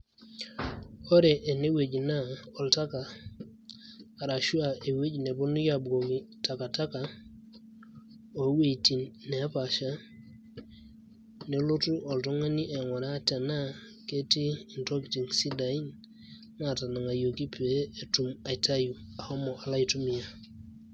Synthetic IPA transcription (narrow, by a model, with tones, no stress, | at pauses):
ɔ˦ɾe˨ʔe˨ne˦we˨ɟna˦ɔ˨lta˦ka˨ | ɾa˨ʃu˦a˨e˨we˦ɟne˨bo˦nu˦ja˨bɡo˨ɡi˨ta˨ka˨ta˦ka˨ | o˨˦we˨ti˨nːe˨a˦pa˨ʃa˦ | ne˨lo˦tu˦ʔɔ˨ltɔ˦ŋa˦ni˦ʔe˨ŋɔ˨ɾa˦te˨na˦ | ke˦ti˦i˨nto˦kti˨ŋsi˦da˨i˦n | ŋa˨ta˨na˨ŋa˨jo˨ki˦pe˦e˨tu˨ma˨i˨ta˦ju˨a˨ho˦mo˨ʔa˨la˦jtu˦mi˨ja˨